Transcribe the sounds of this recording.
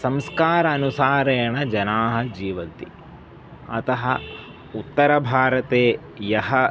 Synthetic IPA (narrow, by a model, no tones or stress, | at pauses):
sɐmskaːɾɐːnusaːɾɐjɐɳɐd͡ʒɐnaːɦɐ̆d͡ʒiːʋɐnt̪ḭ | ɐt̪ɐɦɐ | ut̪ːɐɾɐbʱaːɾɐt̪eː | jɐɦɐ